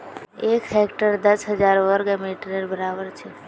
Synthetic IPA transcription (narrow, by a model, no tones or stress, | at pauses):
eːkhɛkʈəɾd̪əsɦəd͡ʒaːɾʋəɾɡemeʈɾəɾbəɾaːbəɾt͡ʃʰe